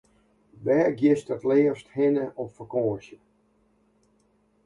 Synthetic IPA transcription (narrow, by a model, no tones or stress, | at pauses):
bɛːɡjɪstətleəsthɪnəʔɔfəkoːəsjə